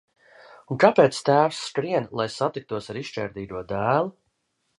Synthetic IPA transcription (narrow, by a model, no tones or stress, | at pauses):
unkapeːt̪st̪æːwsːkɾiɛnlˠajsat̪ik̚t̪uɔsaɾiʃt͡ʃɛ̰ːɾd̪iːd̪uɔd̪æːlˠu